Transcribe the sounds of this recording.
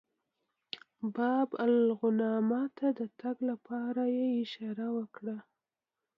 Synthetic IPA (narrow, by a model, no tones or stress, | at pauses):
bɑbalɣʊnɑmɑt̪ʰad̪ət̪aɡlapʰɑɾajeɪʃɑɾawəkɽa